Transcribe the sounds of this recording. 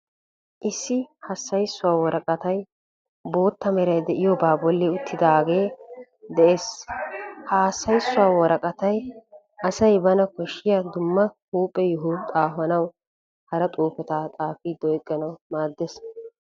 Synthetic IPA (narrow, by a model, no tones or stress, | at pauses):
ʔɪsːɪhɐsːɐjsːʊwaːwɔɾʔɐkʼɐt̪ɐj | bo̞ːt̪ːɐmɛɾɐjd̪ɛʔɪjɔbaːbɔlːɪʊt̪ʰːɪd̪aːɡe̞ː | d̪ɛʔeːs | haːsːɐjsːʊwaːwɔɾɐkʼɐt̪ɐj | ʔɐsɐjbɐnɐkɔʃːɪjɐd̪ʊmːɐhuːpʼːɛjʊɦʊt̪ʼaːfɐnɐw | hɐɾɐt̪ʼuːfɛt̪aːt̪ʼaːfɪd̪ɔjkʼːɐnɐwmaːd̪ːes